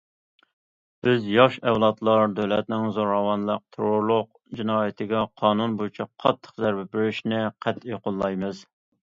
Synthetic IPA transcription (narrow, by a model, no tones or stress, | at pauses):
b̥ɪzjɑʃɛwlˠɑt̪lˠɑɾd̪øwlɛt̪̚nɪŋzoɾɑwɑnlˠəq̚t̪ʰeɾoɾlˠʊq̚ | d͡ʒɪnɑːjɪt̪ʰɪɡʲɛqʰɑːnunbojut͡ʃʰɑqʰːɑt̪ʰːə̥qzæɾbɛbyɾyʃnɪqʰæt̪eqʊlˠːɑjmɨz